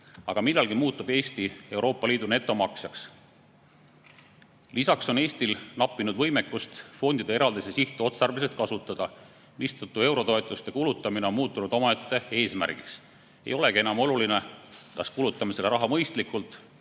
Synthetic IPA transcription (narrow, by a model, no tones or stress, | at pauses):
ɑɡ̥ɑmilːɑlɡimuːt̪ːˑub̥e̞ːst̪ie̞wɾo̞ːpːˑɑliːd̪̥une̞t̪ːˑo̞mɑksjɑks | lisɑkso̞ne̞ːsʲt̪ilnɑpːˑinud̪vɤjmekːˑust̪fo̞nd̪̥id̪̥e̞eɾɑld̪isesiht̪ˑeo̞t̪sɑrveset̪̚kɑsut̪ːˑɑd̪̥ɑ | mist̪ɑt̪ːˑue̞wɾo̞t̪o̞e̞t̪ˑːust̪e̞kulut̪ːˑɑmineo̞nmuːt̪ːˑunud̪̥o̞mɑet̪ˑːe̞e̞ːsmæ̰rɡ̥iks | ḛjo̞le̞ɡ̥ie̞nɑmo̞luline̞kɑskulut̪ːˑɑmiseleɾɑɦɑmɤjst̪likːˑult̪ˑ